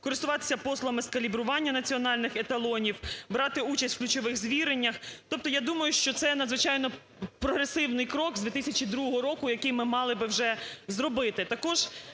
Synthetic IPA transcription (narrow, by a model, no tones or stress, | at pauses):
kɔɾɪst̪ʊʋɑt̪ɪ̥sʲɐpɔslˠɐmɪskɐlʲibɾʊʋɑnʲːɐnɐt͡sʲiɔnɑlʲnɪxɛt̪ɐlˠɔnʲiwbɾɑt̪ɪut͡ʃɐsʲtʲwklʲʊt͡ʃɔʋɪxzʋʲiɾenʲːɐxt̪ɔp̚t̪ɔjad̪umɐjʊʃt͡ʃɔt̪sɛnɐd̪zʋɪt͡ʃɑjnɔ | pɾɔɦɾesɪwnɪjkɾɔkzd̪ʲit̪ɪsʲɐt͡ʃid̪ɾuɦɔɦɔɾɔkʊjɐkɪjmɪmɑlˠɪbɪwʒɛzɾɔbɪt̪ɪt̪ɐkɔʒ̥